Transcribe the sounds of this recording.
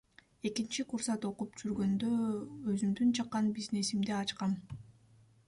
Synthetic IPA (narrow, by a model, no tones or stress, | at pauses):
e̞kint͡ʃiqʰuɾsɑt̪o̞qupd͡ʒyɾɡø̞nd̪øøzymd̪ynt͡ʃʰɑqːɑnbizne̞simd̪eɑt͡ʃqɑm